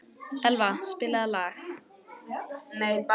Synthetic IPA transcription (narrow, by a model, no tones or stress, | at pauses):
ɛlvaspɪːlaðlaːx | nejp